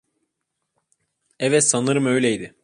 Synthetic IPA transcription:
ɛvɛt̪sanɯɾɯmø̞jlʲɛjd̪ɪ

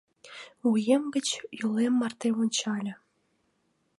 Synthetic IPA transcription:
ujemɡə̆t͡ɕjulemːɑrt̪emonʲt͡ɕɑlʲə̆

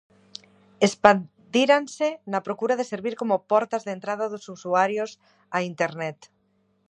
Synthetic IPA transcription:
espa | d̪iɾansenapɾokuɾað̞eseɾβiɾkomopɔɾt̪azðent̪ɾað̞aðosusuaɾjos | aint̪eɾnɛt̪

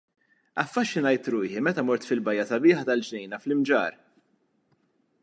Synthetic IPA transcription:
ɐ̰fːɐʃːɪnɐjt̪ɾuːħimɛt̪ɐmɔɾt̪fɪlbɐjːɐsɐbɪːħɐt̪ɐld͡ʒnɛjnɐflɪmd͡ʒɐ̰ːɾ

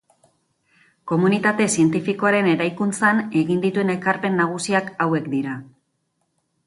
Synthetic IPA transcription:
ko̞munit̪at̪e̞sie̞nt̪ifiko̞aɾe̞ne̞ɾajkunt͡sane̞ɣind̪it̪ue̞ne̞kaɾpe̞nːaɣ̞usiakawe̞kd̪iɾa

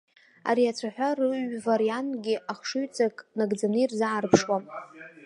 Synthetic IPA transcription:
a̰ɾiat͡sʷʰaħʷᶣarɨɥvaɾijantʼɡʲɪʔaχʂɨɥt͡sʼakʼnaɡd͡zanɨirzaʕarpʰʂwa

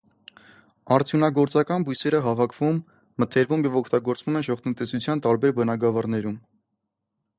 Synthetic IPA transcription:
ɑɾt͡sʰjunɑɡɔɾt͡sɑkɑnbujsɛɾəɦɑvɑkʰv̥umː | ət̪ʰɛɾvumjɛvɔkʰt̪ɑɡɔɾt͡svumɛnʒɔʁt̪ʰənt̪ɛsut͡sʰjɑnt̪ɑɾbɛɾbənɑɡɑvɑrnɛɾum

